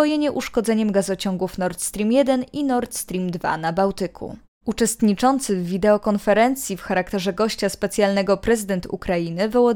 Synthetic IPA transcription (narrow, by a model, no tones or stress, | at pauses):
ɔjeɲɛʔuʂkɔd̪zɛɲɛmɡazɔt͡ɕɔŋɡufnɔɾt̪st̪ɾʲimjɛd̪ɛninɔɾt̪st̪ɾʲimd̪va̰nabawt̪ɘkʰṵ | ut͡ʂɛst̪ɲit͡ʂɔnt̪sɘvːʲid̪ɛɔkɔnfɛɾɛnt̪sʲjifxaɾakt̪ɛʐɛɡɔɕt͡ɕaspɛt̪sʲjalnɛɡɔpɾɛzɘd̪ɛnt̪ʰṵkɾajinɘvɔwɔ